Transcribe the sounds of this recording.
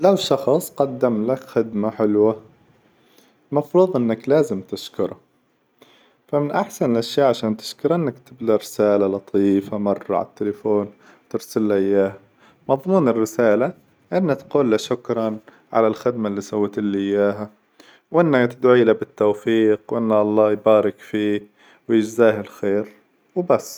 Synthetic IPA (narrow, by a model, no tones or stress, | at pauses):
lawʃɑxsˤqɑd̪ːamlakxɪd̪maħɪlwa | mɑfɾuːðˤʔɪnːaklaːzɪmt̪ɪʃkʊɾˤɑ | famɪnʔaħsanɪlʔaʃjaːʔʕaʃaːnt̪ɪ̥ʃkʊɾˤʔɪnːakt̪ɪbd̪aɾɪsaːlalɑt̪ˤʰiːfamɑrˤːɑ̰ʕa̰t̪ːɪlɪfoːn | t̪ɪɾsɪlːaʔɪjːaːha | mɑðˤmuːnɪrːɪsaːla | ʔɪnːat̪quːlːaʃʊkɾˤɑn | ʕa̰lalxɪd̪malːiːsawːt̪ɪlːʔɪjːaːɦa | wʔɪnːakt̪ɪd̪ʕiːlabɪt̪ːowfiːqwʔɪnːaʔɑlˤːɑːjbaːɾɪkfiː | wjɪd͡ʒzaːhalxeːɾ | wbasː